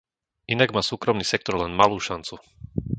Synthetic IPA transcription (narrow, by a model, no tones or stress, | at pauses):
ʔinaɡmaːsuːkɾɔmniːsɛk̚t̪ɔɾlɛnmaluːʃant͡su